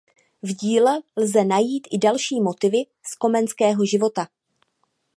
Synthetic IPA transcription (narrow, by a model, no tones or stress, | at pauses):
vɟiːlɛlzɛnajiːt̪ʔɪdalʃiːmo̞t̪ɪvɪ | sko̞mɛnskɛːɦo̞ʒɪvo̞t̪a